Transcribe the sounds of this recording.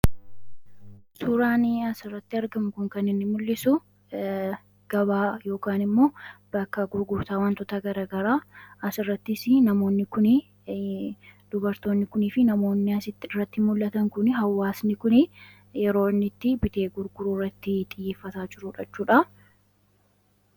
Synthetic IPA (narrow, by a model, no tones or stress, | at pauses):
t̪ʰʊɾaːnɪɐsɪrːɐt̪ːɪɐɾɡɐmʊkʊŋkɐnɪnːɪmʊlːɪsʊ | ɡ̥ɐbaːjo̞ːkaːnɪmːo̞ːbɐkːɐɡʊɾɡʊɾt̪aːwaːnt̪ɔt̪ɐɡɐɾaːɡɐɾaːɐsɪrːɐt̪ːɪsɪnɐmo̞ːnːɪkʊnɪ | d̪̥ʊbɐɾt̪o̞ːnːɪkʊniːfɪnɐmo̞ːnːɪɐsɪt̪ːrːɐt̪ːɪmʊlːɐt̪ɐŋkʊnɪɦɐwːaːsnɪkʊnɪ | jɛɾo̞ːnːɪt̪ːɪbɪt̪e̞ːɡʊɾɡʊɾuːrːɐt̪ːɪt̪ʼɪjːe̞ːfːɐt̪aːd͡ʒɪɾʊᶑɐt͡ʃːuːᶑɐ